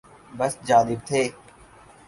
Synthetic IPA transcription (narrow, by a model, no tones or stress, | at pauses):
bəsd͡ʒaːlɪb̚t̪ʰeː